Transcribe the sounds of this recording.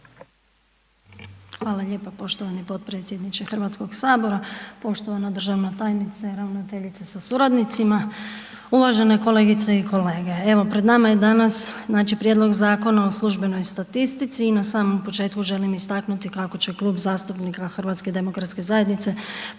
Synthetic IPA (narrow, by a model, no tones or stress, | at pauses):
xʋaːlˠaʎe̞ːpapo̞ʃt̪o̞ʋanipo̞t̪̚pɾe̞t̪sje̞d̪nit͡ʃexr̩ʋat̪sko̞ɡsaːbo̞ɾapo̞ʃt̪o̞ʋanod̪ɾr̩ʒaʋnot̪aːjnit̪seɾaunat̪eʎit̪sesasuɾad̪nit̪sima | uʋaʒe̞ne̞ko̞le̞ːɡit̪seikʰo̞le̞ːɡe̞eʋo̞pɾed̪namajed̪anasnaːt͡ʃipɾjed̪lˠo̞ɡzaːko̞nao̞slˠuʒbe̞no̞jst̪at̪ist̪it̪siːnasaːmo̞mpot͡ʃe̞ːt̪kuʒe̞limist̪aknut̪ikako̞t͡ɕe̞klˠuːbzaːst̪upnikaxr̩ʋat̪ske̞d̪e̞mo̞kɾat̪ske̞zaje̞d̪nit̪se̞